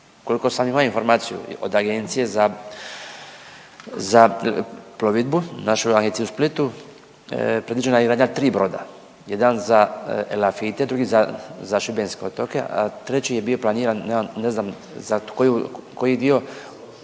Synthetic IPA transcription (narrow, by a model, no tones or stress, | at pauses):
ko̞likosamimajoinfo̞ɾmaːt̪sijṵo̰d̪aɡent̪sijeza | za | ploʋid̪bunaʃuaɡensiusplit̪u | pɾeʋid͡ʒenajeiɡɾaːɲat̪ɾiːbɾo̞d̪a̰ | jed̪anzaḛlafit̪ed̪ɾuɡizazaʃubenskeot̪okḛʔa̰t̪ɾet͡ɕijebio̞plˠaniːɾanːeznam | zakojukojid̪io̞